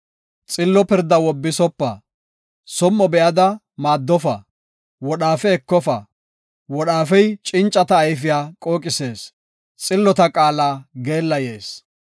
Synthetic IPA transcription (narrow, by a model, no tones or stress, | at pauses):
t͡sʼɪlːɔpɪɾd̪ːɐwɔbːɪsɔpːɐ̰ | sɔmːɔbɛʔɐd̪ɐ | maːd̪ːɔfɐ̰ | wɔɗaːfɛɛkːɔfɐ̰ | wɔɗaːfɛjt͡ʃʼɪnt͡ʃʼːɐt̪ɐːjfɪjaːkʼoːkʼɪse̞ːs | t͡sʼɪlːɔt̪ɐkʼaːlaːɡe̞ːlːɐjeːs